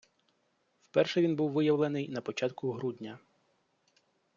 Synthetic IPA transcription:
wpɛrʃɛʋʲinbuwʋɪjɐʋlˠenɪjnɐpɔt͡ʃɑt̪kʊɦɾud̪ʲnʲɐ

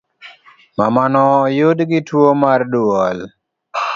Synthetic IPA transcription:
mamanɔːjʊdɡɪtwomarduɔl

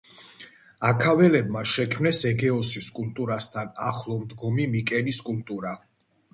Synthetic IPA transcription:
akʰavɛlɛb̚maʃɛkʰmnɛsɛɡɛɔsiskʼult̪ʼuɾast̪ʰana̰χlˠɔmd̪ɡɔmimikʼɛniskʼult̪ʼuɾa

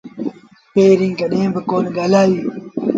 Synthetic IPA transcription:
peːɾĩŋɡɐɗẽːbəkoːnɡɐlaːjiː

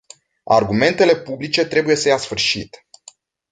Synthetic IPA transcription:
a̰rɡume̞nt̪e̞le̞publit͡ʃe̞t̪ɾe̞buje̞səjasfɨrʃit̪

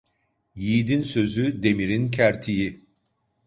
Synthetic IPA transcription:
jiːd̪insø̞zyd̪e̞miɾincʰæɾt̪ʰiji

